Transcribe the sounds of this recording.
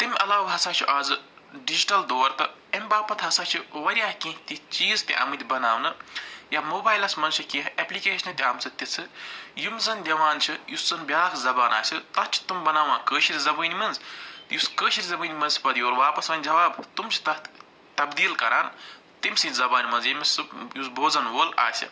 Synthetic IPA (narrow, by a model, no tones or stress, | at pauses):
t̪imʲɐlaːwɡɦɐsaːt͡ʃʰuʔaːzɨ | ɖid͡ʒiʈɐld̪oːɾt̪ɨ | emʲbaːpɐt̪ɦɐsaːt͡ʃʰiʋɐɾʲijaːɦkĩːɦt̪it͡ʃiːzt̪iʔɐ̰mɨt̪ʲibɐnaːʋnɨjamoːbaːjlɐsmɐnt͡ʃʰikĩːɦeplikeːʃɐnt̪ʲiaːmt͡sʰɨt̪ʲit͡sʰɨjumzɐnd̪ʲɐʋaːnt͡ʃʰijuszɐnbʲjaːkʰzɐbaːna̰ːsʲit̪ɐtt͡ʃʰi̥t̪umbɐnaːʋãːkəːʃʰiɾʲzɐbəːnʲimɐnzt̪juskəːʃʰiɾʲzɐbəːnʲimɐnzsʲi̥pɐd̪ijoːɾʋaːpɐsʋɐnʲd͡ʒɐʋaːbt̪umt͡ʃʰi̥t̪ɐ | t̪ɐbd̪iːlkɐɾaːn | t̪imʲsĩzɐbaːnʲimɐnzjemʲisɨjusbʱoːzɐnʋoːla̰ːsʲḭ